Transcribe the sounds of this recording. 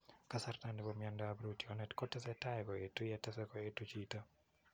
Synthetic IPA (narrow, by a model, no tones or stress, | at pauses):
kasartandɪbomjandabɾutiɔnɛtkɔtɛsɛtaɛkɔetojɛtɛsɛkɔetot͡ʃita